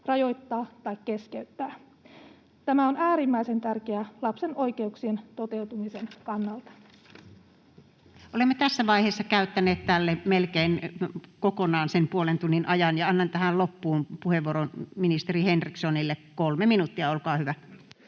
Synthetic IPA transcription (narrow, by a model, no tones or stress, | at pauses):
rɑjo̞jt̪ːɑːt̪ɑjkːe̞skeyt̪ːæː | t̪æmæonæːɾimːæise̞nt̪ærk̟eælɑpse̞no̞jke̞uksient̪o̞t̪e̞wt̪umise̞nkɑnːɑlt̪ɑ̥ | ʔolemːet̪æsːæʋɑˑiheːsːɑkæyt̪ːæneːt̪t̪ælːemelkeinkokonɑːnsempuolent̪unːinʔɑjɑnjɑɑnːɑnt̪æhællopːuːmpuheʋːuoɾonminist̪erihenriksonilːekkolmeminut̪ːiɑolkɑːhyʋæ